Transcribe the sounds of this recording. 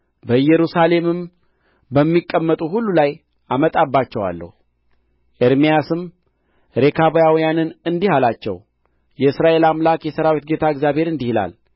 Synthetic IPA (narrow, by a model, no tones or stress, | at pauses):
bəɨjːɛɾusale̞mɨm | bəmːikʼːəmːət̪ʼuhulːulaj | ʔamət̪ʼabːat͡ʃːɛwa̰lːə̰hu | ʔeɾmijasɨm | ɾe̞kʰaβjawijanɨnɨnd̪ihalat͡ʃːɛ̰w | jɛɨsɾaʔe̞lamlakjɛsəɾawit̪̚ɡe̞t̪ʰaɨɡzjaβhe̞ɾɨnd̪ihila̰l